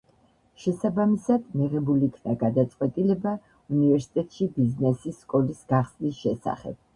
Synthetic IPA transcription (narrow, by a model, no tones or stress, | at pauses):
ʃɛsabamisad̪miʁɛbuliːkʰnaɡad̪at̪sʼqʼwɛt̪ʼilɛba | univɛɾsi̥t̪ʼɛt̪ʼʃibiznɛsisːkʼɔlisɡ̥aχsnisʃɛsa̰χɛ̰b̥